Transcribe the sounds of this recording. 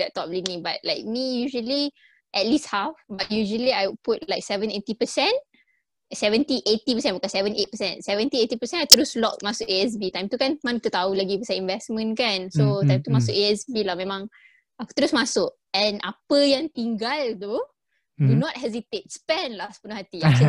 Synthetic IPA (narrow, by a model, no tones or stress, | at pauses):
dɛt̚tːɔp̚linĩbat̚laɪk̚mijuʒəli | ʔɛt̚listhafbat̚juʒəliajwput̚laɪk̚sɛvə̃netipəsɛ̃n | sɛvə̃ntiʔetipəsɛ̃nwəkasɛvə̃net̚pəsɛ̃nsɛvə̃ntietipəsɛ̃najt̪əɾuslɔ̰k̚masʊʔeɛs̬bit̪ãj̃mt̪ukãnmãn̚t̪ut̪aulaɡipəsaĩnvɛsmə̃nkãnsot̪ãj̃mt̪umas̬ʊkeɛsbilamɛ̃mãŋ | at̪əɾusmasʊk̚ | ɛ̃nʔa̰pəjãŋt̪ĩŋɡaldo | dunɔt̚hɛzit̪et̚spɛ̃nlasbunahat̪ia